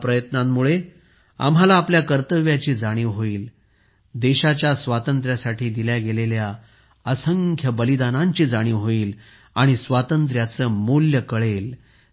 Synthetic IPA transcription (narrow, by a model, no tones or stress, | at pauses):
pɾəjət̪namːuɭe | a̰mɦalaːpljakəɾt̪əʋjat͡ɕiːd͡zaɽ̃iːʋɦoiːl | d̪eɕat͡ɕjasʋat̪ənt̪ɾjasaʈʰiːd̪iljaɡelelja | əsəŋkʰjəbəlid̪anaɲt͡ɕiːd͡zaɽ̃iːɦoiːl | aɽ̃isʋat̪ənt̪ɾjat͡səːmuljəkəɭel